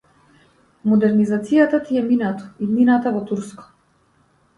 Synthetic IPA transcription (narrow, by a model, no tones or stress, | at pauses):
mɔd̪ɛɾnizat̪sijat̪at̪iɛminat̪ɔ̥id̪ninat̪avɔt̪uɾskɔ̥